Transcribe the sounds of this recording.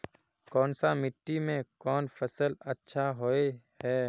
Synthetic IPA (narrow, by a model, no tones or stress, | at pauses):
kɔːnsamɪʈːimẽkɔːnfʰəsəlɐtːʃʰaɦoehɛː